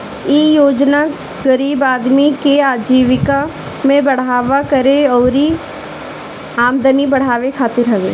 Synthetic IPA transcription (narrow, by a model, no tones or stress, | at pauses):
iːjoːd͡ʒna | ɡəɾiːbaːd̪mikeaːd͡ʒiːʋɪka | mẽbɐɽ̤aːʋakɐɾeɔːɾi | aːmd̪ənibɐɽ̤aːʋekʰaːt̪ɪɾɦɐʋḛː